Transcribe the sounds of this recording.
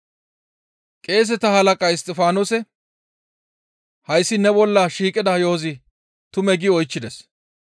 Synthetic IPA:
kʼe̞ːs̬ɛt̪ɐhɐlɐkʼɐɪst̪ʼɛfaːnosɛ | hɐjsːɪnɛbɔlːɐʃiːkʼɪd̪ɐjoːzɪ | t̪ʊmɛɡɪɔjt͡ʃːɪd̪ɛs

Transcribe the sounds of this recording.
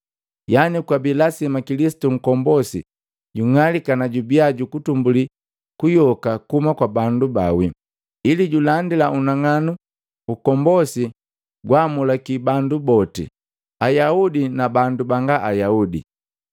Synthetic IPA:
janikwabilasimakilisi̥tuŋ̩kɔmbɔsḭ | ɟuŋalikanaɟubiaɟukutumbuli | kujɔkakumakwabandubawi | iliɟulandilaunaŋanu | ukɔmbɔsi | ɡwamulakibandubɔtḭ | ajaudinabandubaŋɡaʔajaudḭ

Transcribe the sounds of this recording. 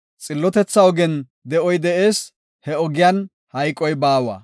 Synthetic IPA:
t͡sʼɪlːɔt̪ɛt͡sːɐɔɡɛn | d̪ɛʔɔjd̪ɛe̞ːs | hɛɔɡɪjan | hɐjkʼːɔjbaːwɐ̰

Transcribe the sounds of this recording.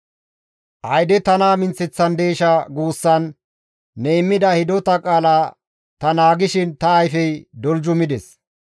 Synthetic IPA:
ʔɐjd̪ɛt̪ɐnaːmɪnt͡sːɛt͡sːɐnd̪eːʃɐɡuːsːɐnː | eɪmːɪd̪ɐhɪd̪ɔt̪ɐkʼaːlaː | t̪ɐnaːɡɪʃɪnt̪ɐːjfɛjd̪ɔld͡ʒʊmɪd̪ɛs

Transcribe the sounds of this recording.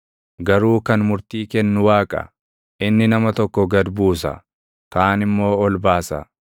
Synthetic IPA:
ɡɐɾuːkɐnmʊɾt̪iːkɛnːʊwaːkʼɐ̰ | ʔɪnːɪnɐmɐt̪ɔkːɔɡɐd̪buːsɐ̰ | kaːnɪmːo̞ːɔlbaːsɐ̰

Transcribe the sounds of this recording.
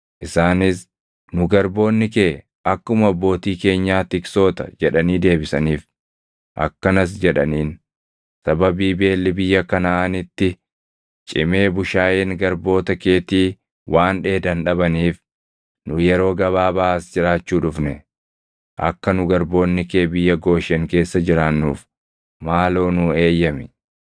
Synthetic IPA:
ʔɪsaːnɪs | nʊɡɐɾbo̞ːnːɪkeː | ʔɐkːʊmɐɐbːo̞ːt̪iːke̞ːɲːaːt̪ɪkso̞ːt̪ɐ̰d͡ʒɛᶑɐniːd̪e̞ːbɪsɐniːf | ʔɐ̰kːɐnɐs̬d͡ʒɛᶑɐniːn | sɐbɐbiːbe̞ːlːɪbɪjːɐkɐnɐːnɪt̪ːɪ | t͡ʃʼɪme̞ːbʊʃaːʔeːŋɡɐɾbo̞ːt̪ɐkeːt̪iː | wʔaːnᶑe̞ːd̪ɐnᶑɐbɐniːf | nʊjɛɾo̞ːɡɐβaːbaːsd͡ʒɪɾaːt͡ʃːuːᶑʊfnɛ | ʔɐ̰kːɐnʊɡɐɾbo̞ːnːɪkeːbɪjːɐɡo̞ːʃɛŋke̞ːsːɐd͡ʒɪɾaːnːṵːf | maːloːnʊe̞ːjːɐmɪ̥

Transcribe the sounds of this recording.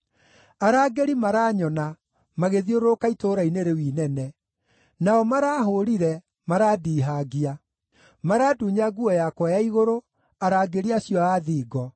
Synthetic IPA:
aɾaːɡeɾimaɾaːɲɔna | maɣeðioɾokaitoːɾaineɾewiːnɛnɛ | naɔmaɾaːɦoɾiɾɛ | maɾaːdiːɦaɡia | maɾaːduːɲaɡuɔjakwajaiɣoɾo | aɾaːɡeɾiaɕjɔaːðiːɡɔ

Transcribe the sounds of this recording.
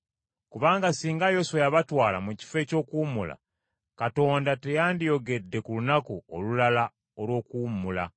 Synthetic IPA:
kuβaːŋɡasiːŋɡajo̞swejaβatwaːla̰muci̥fe̞ːco̞ːkuːmula̰ | kato̞ːndate̞jaːndijo̞ɡe̞dːe̞kulunakuolulala | olwo̞ːkuːmula

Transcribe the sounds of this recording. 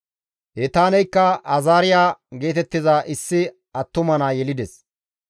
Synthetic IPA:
hɛt̪aːnɛjkːɐɐzaːɾɪjaːɡe̞ːt̪ɛt̪ːɪzaːʔɪsːɪ | ɐt̪ːʊmɐnaːjɛlɪd̪ɛs

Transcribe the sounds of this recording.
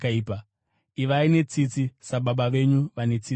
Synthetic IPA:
kaiːpa | iʋaine̞t͡sit͡sisaɓaɓaʋe̞ɲuʋane̞t͡si

